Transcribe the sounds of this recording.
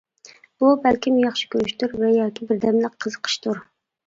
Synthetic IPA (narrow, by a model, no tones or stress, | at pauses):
ubɛlkʲimjɑχʃi̥kʲʰøɾyʃt̪uɾvɛjɑːkʲʰibɪɾd̪ɛmlɪk̚ʲqʰːəzəqʰə̥ʃt̪ʰuɾ